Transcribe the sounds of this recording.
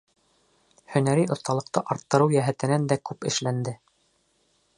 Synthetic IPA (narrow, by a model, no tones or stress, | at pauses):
hɵ̆næɾijŏθt̪ɑlˠɤ̆q̚t̪ɤʔɑɾt̪ːɤ̆ɾɤwjæɦæt̪ɘ̆nænd̪ækʉpɘ̆ʃlænd̪ɘ